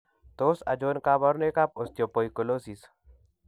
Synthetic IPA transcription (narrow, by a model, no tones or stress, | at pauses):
t̪oːsɐ̰d͡ʒoːnkaːbɔɾnekap̚ost̪jopoːikuloːsis